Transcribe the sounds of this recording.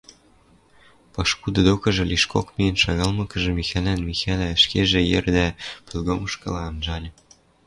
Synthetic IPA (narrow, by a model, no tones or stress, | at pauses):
pɑʃkud̪ɤ̆d̪okɤ̆ʒɤ̆lʲiʃkokmiənʃɑɣɑlmɤ̆kə̆ʒĕmixælænmixælæʃkeʒĕjerd̪æpø̆lɣomə̆ʃkɤ̰̆lɑːnʒɑlʲɤ̆